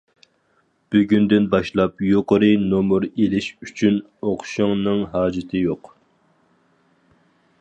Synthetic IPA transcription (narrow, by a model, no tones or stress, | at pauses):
b̥yɡʲynd̪ɪnbɑʃlˠɑpjoqəɾɨnomuɾelɪʃyt͡ʃʰyn | oqʰʃɨŋnɨŋɦɑːd͡ʒɪt̪ʰɨjoq